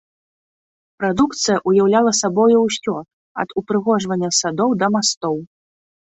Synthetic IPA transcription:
pɾad̪ukt̪sɨjɐʔujawlʲalˠɐsabɔjuwsʲɔt̪̚ | ɐ̰d̪upɾɨɣɔʐvɐnʲːɐsad̪ɔwd̪ɐmast̪ɔw

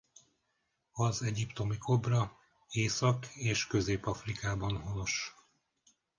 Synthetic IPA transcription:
ɒzɛɟipt̪o̞mikʰo̞brɒ | eːsɒkeːʃkø̞zeːpɒfrikaːbɒnho̞no̞ʃ

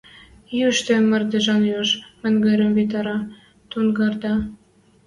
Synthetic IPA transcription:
jyʃt̪emə̆rd̪eʒɑnjoʃmɘ̆nʲɡɘɾʲə̆mvit̪̬ɑɾɑ | t̪unɡɑrd̪ɑ

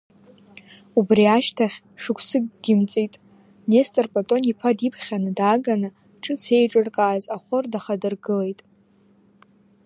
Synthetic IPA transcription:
ubriaʃtʰaχʲ | ʂɨkʷʰsɨɡɡʲɪmt͡sʼijtʼ | nestʼarpʼatʼo̞nipʰadipʰχʲanɨdaɡanɨ | ʈ͡ʂʰʼɨt͡sʰe̞jʈ͡ʂʼɨrkʼaːzaχʷʊrdaχadɨrɡɨle̞jtʼ

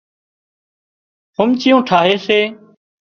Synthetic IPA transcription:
hʊmt͡ʃɪjõːʈʰaːɦeːseː

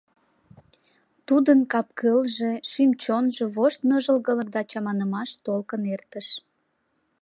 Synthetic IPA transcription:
t̪ud̪ənkɑp̚kəlʒe̽ʃymt͡ɕonʒeβoʃt̪nəʒəlɣələrd̪ɑt͡ɕɑmɑnəmɑʃt̪olkənert̪əʃ

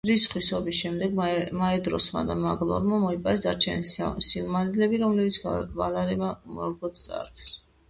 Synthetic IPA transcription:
ɾisχwisɔbisʃɛmd̪ɛɡmaɛd̪ɾɔ̰sma̰d̪amaɡlˠɔ̰ɾmamɔipʼaɾɛsd̪aɾt͡ʃʰɛnisilˠmanid̪lɛbiɾɔmlɛbit̪sʰvalaɾɛmamɔ̰ɾɡɔt̪t̪sʼa̰ɾt̪ʰi̥s

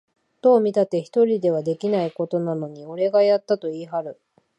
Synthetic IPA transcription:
t̪o̞ːmʲit̪at̪e̞çi̥t̪o̞ɾʲid̪e̞β̞ad̪e̞kʲinaiko̞t̪o̞nano̞ɲ̟io̞ɾe̞ɡajat̪ːat̪o̞iːɦaɾɯ̟

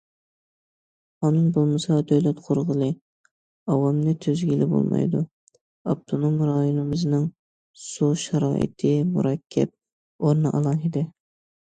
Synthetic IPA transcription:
ɑnɨŋbolˠmɨsɑd̪øwlɛt̪qʰoɾʁəlˠɨ | ɑwɑmnɨt̪ʰøzɡʲilɪbo̰lˠmɑ̰jd̪u | ɑp̚t̪ʰonomɾɑjonɨmɨznɨŋ | suʃɑɾɑːʔɪ̰t̪ʰɪmṵɾɑkʲʰːɛ̰p̚ | oɾnɨʔɑlˠɑŋid̪ɪ

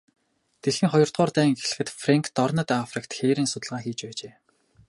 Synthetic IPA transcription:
t̪eɮĭŋχɔjɞ̆r̥t̪ʁɔːrt̪æːŋɡeɮɘ̆xɘ̆t̪freŋkʰt̪ɔrnə̆t̪afrikt̪xeːɾĭnsʊt̪ə̆ɮʁaːxiːt͡ɕpæːt͡ɕeː

